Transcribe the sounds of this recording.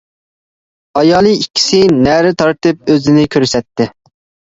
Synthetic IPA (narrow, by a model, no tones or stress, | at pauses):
ɑjɑːlˠɨikʲʰːi̥sɪnæɾɪt̪ʰɑɾt̪ɨp̚øzɪnɪkʲʰøɾsɛt̪ʰːɪ